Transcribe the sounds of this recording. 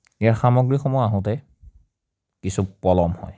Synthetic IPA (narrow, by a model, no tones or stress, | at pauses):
eaɹxamɔɡɹixɔmɔjaɦɔ̃tɛ | kisupɔlɔmhɔ̰j